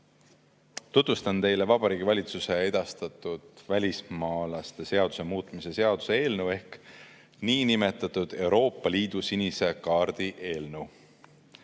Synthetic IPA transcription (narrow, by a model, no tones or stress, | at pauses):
t̪ut̪vust̪ɑnt̪e̞jle̞vɑb̥ɑɾiːɡ̥ivɑlʲit̪suse̞e̞d̪̥ɑst̪ɑt̪ˑud̪̥vælʲismɑːlɑst̪e̞se̞ɑd̪̥u̥se̞muːt̪ˑmise̞se̞ɑd̪̥u̥se̞e̞ːlnewe̞hk | niːnime̞t̪ːˑɑt̪ud̪̥e̞wɾo̞ːpːˑɑlʲiːd̪̥usinise̞kɑːɾd̪̥iʔe̞ːlnew